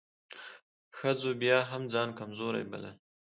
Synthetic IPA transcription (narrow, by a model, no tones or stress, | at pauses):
xəzobjɑːɦamd͡zɑːnkamzoɾa̰jba̰la̰